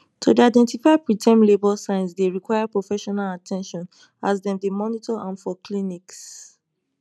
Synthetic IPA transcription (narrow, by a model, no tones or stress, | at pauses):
tʰudiaɪdɛ̃ntifaj̚pɹitʰɛ̃mlebɔlsãɪ̃nsdeɹikwajapɹofɛʃɔnalatʰɛ̃nʃɔ̃n | azdɛ̃mdemɔnitɔʔãnfɔkʰliniks